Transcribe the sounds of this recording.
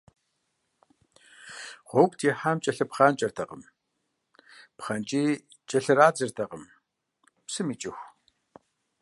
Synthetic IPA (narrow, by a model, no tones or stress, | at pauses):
χʷokʷtʰjɛħaːmt͡ʃʼɐɬɐpχaːnt͡ʃʼɐrtʰɐqəm | pχɐnt͡ʃʼiː | t͡ʃʼɐɬɐɾaːd͡zɨrtʰɐqəm | psɨmit͡ʃʼɪxʷ